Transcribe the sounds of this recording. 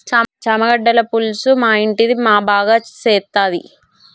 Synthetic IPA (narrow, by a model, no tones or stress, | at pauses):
t͡ʃɐmɐɡɐɖːɐlɐpulsumaːiɳʈid̪imaːbaːɡaːt͡ʃɛːt̪ːaːd̪ḭ